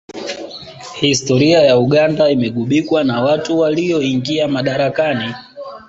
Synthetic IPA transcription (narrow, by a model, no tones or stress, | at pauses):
histɔɾiajauɠandaimɛɠuɓikwanawatuwaliɔiŋɡiamaɗaɾakani